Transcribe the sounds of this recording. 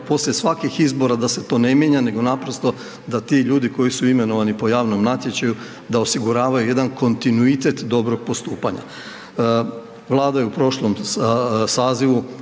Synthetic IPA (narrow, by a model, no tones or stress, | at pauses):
po̞slʎʲesʋakixizbo̞ɾad̪ase̞t̪o̞ːne̞mjeɲane̞ɡo̞napɾo̞st̪o̞ | d̪at̪iʎuːd̪iko̞jisuime̞no̞ʋanipo̞jaːʋno̞mnat̪je̞t͡ɕaju | d̪aosiɡuɾaːʋajuje̞d̪anko̞nt̪inuit̪e̞t̪d̪o̞bɾo̞ɡ̥̚po̞st̪uːpaɲa̰ | ʋlˠaːd̪ajeupɾo̞ʃlom | saːziʋu